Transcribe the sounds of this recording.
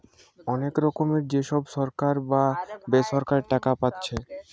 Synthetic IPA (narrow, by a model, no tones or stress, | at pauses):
ɔnekɾɔkomeɾd͡ʑeʃɔbʃɔɾkaɾbabesɔɾkaɾeʈakapatːɕʰe